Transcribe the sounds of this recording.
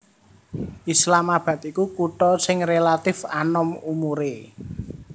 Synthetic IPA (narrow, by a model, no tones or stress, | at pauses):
ʔislamab̥a̤t̪ikukuʈɔsɪŋrelat̪ɪfanɔmumuɾe